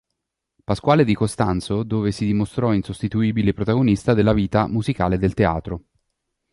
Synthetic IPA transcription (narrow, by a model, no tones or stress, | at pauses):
paskwaːled̪ikost̪ant̪sod̪oːvesid̪imost̪ɾɔinsost̪it̪uiːbilepɾot̪aɡonist̪ad̪elːaviːt̪amuzikaːled̪elt̪ea̰ːt̪ɾo